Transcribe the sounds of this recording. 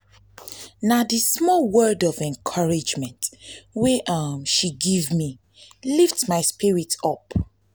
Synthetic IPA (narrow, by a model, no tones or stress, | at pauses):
nadismɔlwɜ˞dɔvɛ̃nkʰʌɹid͡ʒmɛ̃ntwɛʔʌmʃiɡevmi | liftmaɪspiɹitɔp